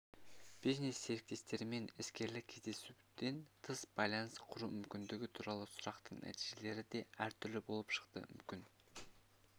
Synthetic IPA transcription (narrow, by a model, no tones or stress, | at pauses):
b̥iznesːe̞ɾek̚t̪e̞st̪e̞ɾɪme̞nɪskʲe̞ɾlɪkʲʰe̞zd̪e̞sud̪e̞nt̪ʰəsb̥ɑjlˠɑnəsqʰʊɾumʏmkʲɪnd̪ɪɡʲɪt̪ʰuɾɑlˠəsʊɾɑqt̪əɴnʔæ̰t̪iʒe̞le̞ɾɪd̪e̞æɾt̪ʰʏɾlɪbo̞lˠəpʃə̥qt̪ə̰mʏmkʲɪn